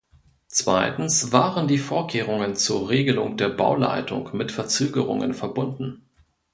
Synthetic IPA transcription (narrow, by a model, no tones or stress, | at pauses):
t͡sv̥a̰ɪtn̩sv̥aːʁəndiːfoːɐkʰeːʁ̞ʊŋənt͡suːɐʁeːɡəlʊŋd̥eːɐba̰ʊla̰ɪtʰʊ̰ŋmɪtfɛɐt͡søːɡəʁʊ̰ŋə̰nfɛɐbʊndn̩